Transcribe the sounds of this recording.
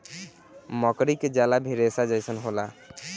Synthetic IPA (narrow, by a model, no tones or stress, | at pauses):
məkɾiked͡ʒalabʱiɾesad͡ʒəjsənɦola